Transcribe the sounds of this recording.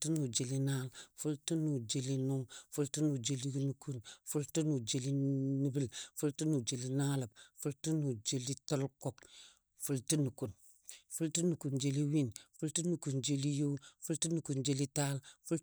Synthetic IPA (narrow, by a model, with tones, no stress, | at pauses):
tu˦nu˨d͡ʒe˨li˦na˦lfu˦ltu˦nu˨d͡ʒe˨li˦nu˦ŋfu˦ltu˦nu˨d͡ʒe˦li˦nu˨ku˦nfu˦ltu˦nu˨d͡ʒe˦li˦ni˦bi˦lfu˦ltu˦nu˨d͡ʒe˨li˦na˦la˨b̚fu˦ltu˦nu˨d͡ʒe˦li˦to˦lko˦p | fu˦lti˦nu˨ku˨n | fu˦lti˦nu˨ku˨nd͡ʒe˦li˦wi˦nfu˦lti˦nu˨ku˨nd͡ʒe˦li˦ju˦fu˦lti˦nu˨ku˨nd͡ʒe˦li˦ta˦lfu˦l